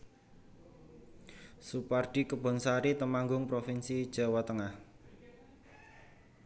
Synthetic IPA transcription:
supard̥i̤kəb̥ɔ̤nsaɾit̪əmaŋɡʊŋpɾofinsid̥ʒ̥a̤wat̪əŋah

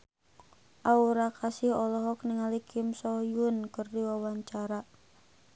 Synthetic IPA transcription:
ʔauɾakasihɔlɔɦɔk̚niŋalikʰimsɔjunkərdiwawaɲt͡ʃaɾa

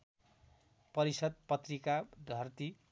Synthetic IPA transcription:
pʌɾisʌd̪̚pʌt̪rikad̪ʱʌrt̪i

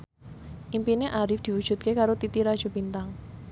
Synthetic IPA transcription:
ʔimpineʔaɾɪfd̪̥i̤wud̥ʒ̥ṳt̪̚kekaɾot̪it̪iɾad̥ʒ̥o̤bint̪aŋ

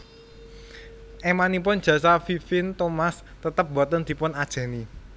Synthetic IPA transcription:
ʔemanip̬ʊn̥ʒ̥ä̤safifɪnt̪omas | t̪ət̪əp̚bɔt̪ənd̪̥i̤pʊnad̥ʒ̥a̤ni

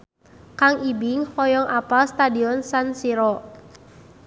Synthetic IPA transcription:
kaŋʔibiŋhɔjɔŋʔapalst̪adiɔnsansiɾɔ

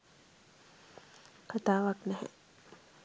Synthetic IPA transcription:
kʰat̪aːʋaknɛɦɛ̰̃

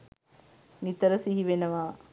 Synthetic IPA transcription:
nit̪əɾəsiɦiʋenɐʋaː

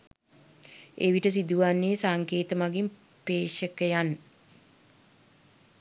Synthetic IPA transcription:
ḛʋiʈəs̬id̪uʋanːeːsaŋkeːt̪əmaɡim | peːʃəkəjan

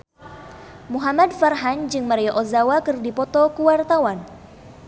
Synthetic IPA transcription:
muɦamadfarɦaɲd͡ʒɨŋmaɾiɔʔozawakɨrdipɔt̪ɔkuwart̪awan

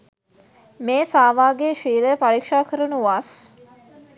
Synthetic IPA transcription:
meːsaːʋaːɡeʃiːləjəpaɾikʂaːkʰəɾənuuʋas

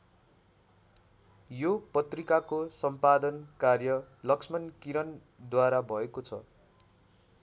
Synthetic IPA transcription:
jopʌt̪rikakosʌmpad̪ʌnkarjʌlʌksmʌnkiɾʌn | d̪waɾabʱʌekot͡sʰʌ̰

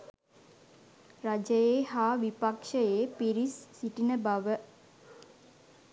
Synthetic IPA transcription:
ɾad͡ʒəjeːhaːʋipakʂəjeːpiɾisːiʈinəbaʋə

